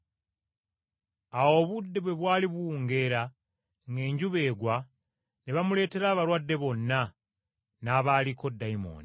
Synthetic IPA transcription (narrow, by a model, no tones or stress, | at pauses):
awo̞ːβudːe̞βwe̞βwaːliβwuːŋɡe̞ɾa | ŋɡe̞ːɲɟuβeːɡwa | niβamule̞ːte̞ɾaːβaɾwadːe̞βo̞nːa | naːβaːliko̞dːaimo̰ːni